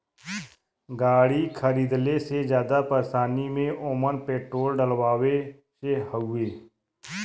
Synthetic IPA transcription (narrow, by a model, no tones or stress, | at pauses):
ɡaːɽiːkʰəɾiːd̪lesed͡ʒjaːd̪apəɾsaːnimẽʔoːmənpeːʈɾoːlɖəlʋaːʋe | sehəueː